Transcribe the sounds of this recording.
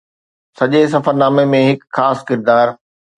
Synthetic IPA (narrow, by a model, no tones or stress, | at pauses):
sɐʄes̬ɐfəɾnaːmemẽɦɪkxaːskɪɾd̪aːɾ